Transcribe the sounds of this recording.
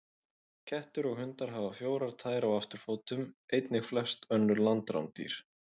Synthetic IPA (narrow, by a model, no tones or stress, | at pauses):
cʰɛht̪ʏɾɔɣhʏnt̪aɾ̥ɦavafjoːwɾaɾt̪ʰaːjɾawaft̪ʏɾ̥foːwt̪ʏmejt̪nɪxflɛst̪œnːʏɾlant̪ɾa̰wnt̪ḭɾ̥